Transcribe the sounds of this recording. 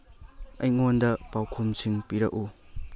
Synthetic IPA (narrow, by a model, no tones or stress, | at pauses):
ɐjŋondɐpawkʰumsiŋpiɾɐ̰k̚u